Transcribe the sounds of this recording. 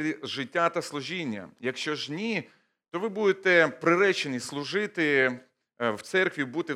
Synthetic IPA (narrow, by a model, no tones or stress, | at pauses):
iʒɪtʲːat̪ɐslˠʊʒʲinʲːɐ̰jɐkʃt͡ʃɔʒnʲi | t̪ɔʋɪbud̪et̪ɛpɾɪɾɛt͡ʃenʲislˠʊʒɪt̪ɪ | wt̪sɛrkʋʲibut̪ɪ